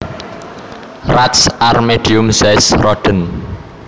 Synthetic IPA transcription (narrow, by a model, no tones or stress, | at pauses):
rat̪sʔarmeɖ̥iʊmsɛsrɔd̥ən